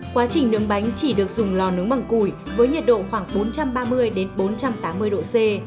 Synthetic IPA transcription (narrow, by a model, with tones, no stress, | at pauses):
kwaː˨˦t͡ɕï˨˩ŋ̟nɨ˨˦əŋɓa˨˦jŋ̟t͡ɕi˧˩ɗɨ˨˩ək̚zʊ˨˩ŋ͡mlɔ˧˩nɨ˨˦əŋɓa˧˩ŋku˧˩j | vəː˨˦jɲə˨˩t̚ɗo̰˧˨xwaː˧˩ŋɓo˨˦nt͡ɕa˧mɓaː˧mɨ˧əjɗe˨˦nɓo˨˦nt͡ɕa˧mt̪aː˨˦mːɨ˧əjɗo̰˧˨se˧